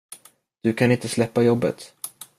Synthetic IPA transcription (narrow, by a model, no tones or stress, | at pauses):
d̪̥ɵkʰanɪnt̪əslɛpːajɔbːə̰t̪